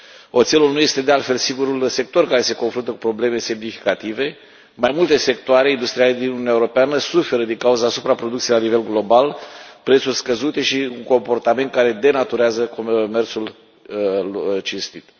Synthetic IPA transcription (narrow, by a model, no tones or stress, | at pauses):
o̞t̪selulnuje̞st̪e̞d̪ealt̪fe̞lsiɡuɾulse̞k̚t̪o̞rkaɾe̞se̞ko̞nfɾunt̪əku̥pɾo̞ble̞me̞se̞mnifi̥kat̪ive̞ | majmult̪e̞se̞k̚t̪oaɾe̞ind̪ust̪ɾiale̞d̪inununaeuɾo̞peanəsufe̞ɾəd̪iŋkauzəasupɾapɾo̞d̪uk̪sielanive̞lɡlo̞balpɾet̪surʲskəzut̪e̞ʃiuŋko̞mpo̞rt̪ame̞nt̪̚kaɾe̞d̪e̞nat̪uɾeazəko̞me̞rt̪sul | t͡ʃinst̪it̪